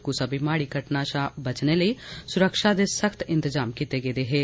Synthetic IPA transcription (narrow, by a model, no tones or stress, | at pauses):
kusaːbimaːɽiːkəʈnaːʃaːbət͡ʃneːləiːsʊɾəkʃaːd̪eːsəkʰt̪ɪ̃nt̪əzaːmkiːt̪eːɡeːd̪eːɦeː